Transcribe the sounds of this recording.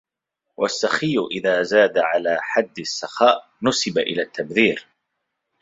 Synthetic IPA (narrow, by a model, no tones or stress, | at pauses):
wʔa̰sːaxijːʊʔɪðaːzaːd̪aʕalaːħad̪ːɪsːaxaːʔ | nʊsɪbaʔɪlaːt̪ʰːabðiːɾ